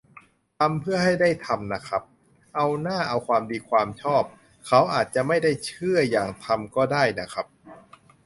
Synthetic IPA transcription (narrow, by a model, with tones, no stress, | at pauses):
t̪ʰa˧mpʰɯ˥˩ɐɦa˥˩jdaː˥˩jt̪ʰa˧mna˦˥kʰa˦˥p̚ | ʔa˧wnaː˥˩ʔa˧wkʰwaː˧mdiː˧kʰwaː˧mt͡ɕʰɔː˥˩p̚ | kʰa˦˥wʔaː˨˩t̪̚t͡ɕa˨˩ma˥˩jda˥˩jt͡ɕʰɯ˥˩ɐjaː˨˩ŋt̪ʰa˧mkɔː˥˩daː˥˩jna˦˥kʰa˦˥p̚